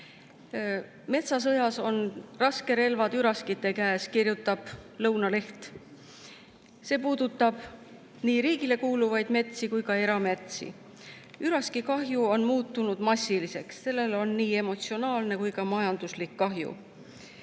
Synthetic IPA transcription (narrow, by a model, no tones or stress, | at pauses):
me̞t̪sɑs̬ɤjɑso̞nrɑske̞ɾe̞lvɑd̪̥yɾɑskit̪ːˑe̞kæeskirjut̪ːˑɑb̥lɤ̞wnɑle̞ht̪ | se̞ːpuːd̪̥ut̪ːˑɑb̥ | niːɾiːɡile̞kuːluvɑjd̪̥me̞t̪sikujkɑe̞ɾɑme̞t̪sḭ | yɾɑskikɑɦjuo̞nmuːt̪ːˑunud̪̥mɑsːilise̞ksːe̞lːe̞lo̞nːiːe̞mo̞t̪sio̞nɑːlne̞kujkɑmɑjɑnd̪uslikːɑɦjṵ